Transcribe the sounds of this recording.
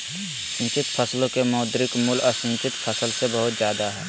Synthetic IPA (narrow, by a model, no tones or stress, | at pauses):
sɪ̃nt͡ʃɪt̪pʰəslõkemɔːd̪ɾɪkmʊlɔːɾsɪ̃nt͡ʃɪt̪pʰəsəlsebəɦʊt̪zjaːd̪aɦɛː